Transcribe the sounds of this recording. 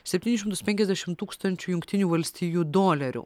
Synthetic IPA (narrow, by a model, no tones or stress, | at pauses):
sʲɛp̪ʲiːnʲɪʃʲɪmt̪ʊspʲɛŋʲkʲɛzʲd̪ʲæʃʲɪmt̪uːkst̪ɐnʲt͡ʃʲujʊŋkt̪ʲɪnʲuːʋɐlʲsʲt̪ʲiːjuːd̪oːlʲɛɾʲṵ